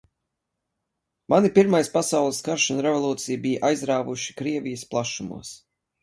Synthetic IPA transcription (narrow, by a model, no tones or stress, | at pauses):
manipiɾmajspasawlˠɨskaɾʃunɾevɔlˠuːt̪sijbijʔajzɾaːvuʃi̥kɾiɛvijəsplˠaʃumṵɔs